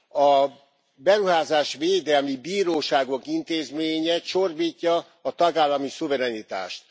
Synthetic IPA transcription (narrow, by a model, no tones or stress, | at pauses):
ɒ | bɛɾuɦaːzaːʃʋeːd̪ɛlmibiːɾoːʃaːɡo̞kint̪eːzmeːɲɛʃorbiːcːɒː | t̪ɒɡaːlːɒmisuvɛɾɛnit̪a̰ːʃt̪